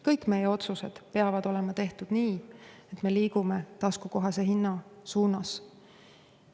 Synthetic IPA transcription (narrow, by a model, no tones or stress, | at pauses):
kɤjkːˑme̞jeo̞t̪suse̞d̪̥pe̞ɑvɑd̪̥o̞le̞mɑt̪e̞ht̪ud̪̥niːet̪ˑme̞liːɡ̥ume̞t̪ɑskuko̞ɦɑse̞ɦinːɑsuːnɑs